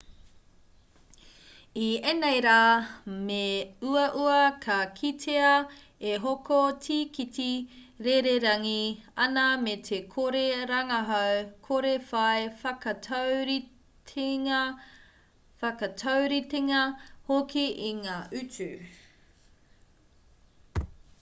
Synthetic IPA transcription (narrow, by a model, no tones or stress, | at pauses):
ienejɾaːmeuɐʔuɐkʰɐkʰitʰeɐ | eɦokotʰiːkiti | ɾeɾeɾɐŋiɐnametʰekʰoɾeɾɐŋɐɦɐwkʰoɾefɐjfɐkɐtʰɾʰ | fɐkɐtʰawɾiteŋɐhokiʔiŋaːʔʉt͡sʉ